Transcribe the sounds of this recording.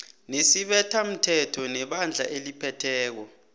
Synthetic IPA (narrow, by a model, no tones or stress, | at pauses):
nesiɓɛtʰam̩tʰɛtʰɔnɛɓand͡ɮʱa̰ʔelipʰɛtʰɛːk̬ɔ